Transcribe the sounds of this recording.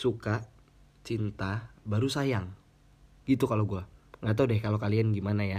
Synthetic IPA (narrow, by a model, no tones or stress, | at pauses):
suka | t͡ʃint̪abaɾusajaŋ | ɡ̥it̪ukaloɡuaŋɡat̪̬adɛhkalokalianɡimanaja